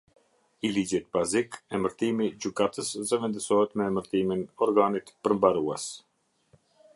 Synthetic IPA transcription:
ilid͡ʑit̪̚bazikɛməɾt̪imid͡ʑykat̪əszəvɛnd̪əsɔɦɛt̪mɛməɾt̪iminɔɾɡanit̪pəɾmbaɾuɛs

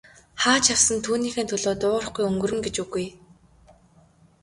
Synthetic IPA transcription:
χaːt͡ɕʰaw̥sə̆nt̪ʰuːniːxeːnt̪ʰɵɮoːt̪ʊːrə̆χɡujɵŋɡɵ̆rɵ̆ŋɡet͡ɕuɣuj

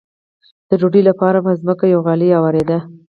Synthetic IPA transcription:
d̪̥əd͡ʒoɖilapɑɾabəzməkajawɣɑlijɑwaɾed̪a

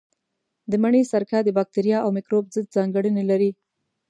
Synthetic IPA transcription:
d̪əmaɳesaɾkɑd̪əbɑk̚t̪eɾijɑawmɪkɾobzəd̪̚zɑŋɡəɽənelaɾi

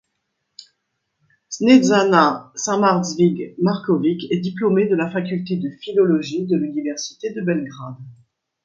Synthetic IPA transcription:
snedzanasɛ̃maʁzviɡmaʁkɔvikɛd̪iplomed̪əlafakʲylt̪ed̪əfilɔlɔʒid̪əlynivɛʁsi̥t̪ed̪əbɛlɡʁad̪

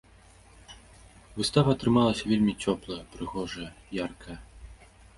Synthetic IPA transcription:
vɨst̪avɐːt̪ɾɨmalˠɐsʲɐvʲelʲmʲit͡sʲɔplˠɐjɐpɾɨɣɔʐɐjɐ | jarkʰɐjɐ

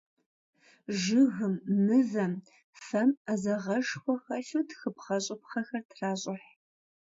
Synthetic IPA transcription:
ʒɨɣɨmːɨvɐm | fɐmazɐʁɐʂxʷɔxɐɬuːtxɨpχɐɕʼɪpχɐxɐrtʰraːɕʼɪħ

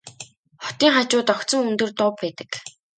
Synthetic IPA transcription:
χɔ̥t̪iːŋχat͡ɕʊːt̪ɔkt̪t͡sɞ̆ŋunt̪ɵ̆rt̪ʊːpːæːt̪ə̥̆k

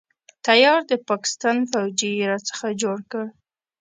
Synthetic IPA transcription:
t̪ajɑɾd̪əpɑkɪ̥st̪ɑnfawd͡ʒiɾat͡sə̥xad͡ʒoɽkə

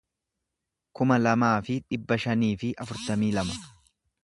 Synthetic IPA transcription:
kʊmɐlɐmaːfɪᶑɪbːɐʃɐniːfɪʔɐfʊɾt̪ɐmiːlɐmɐ

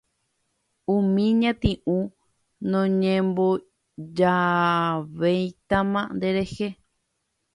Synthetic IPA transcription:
ũmĩɲãt̪ĩʔũ | nõɲẽmbo | d͡ʒa | ʋejt̪amãnd̪e̞ɾe̞he

